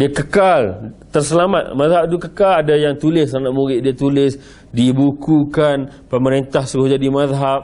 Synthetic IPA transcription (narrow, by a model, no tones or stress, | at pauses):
diakəkalt̪ərsəlamat̪̚maðɦap̚t̪ukəkaladajaŋt̪ulɪsanaʔmuɾɪʔdiat̪ulɪs | dibukukanpəməɾint̪ahsuɾʊhd͡ʒadimaðɦap̚